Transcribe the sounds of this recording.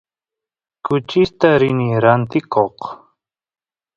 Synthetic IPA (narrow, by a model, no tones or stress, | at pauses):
kʊt͡ʃɪst̪aɾɪnɪɾant̪ɪkʰoq